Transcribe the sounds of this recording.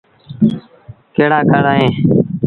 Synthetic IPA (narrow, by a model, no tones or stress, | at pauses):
keːɽaːkaːɽaːɦẽː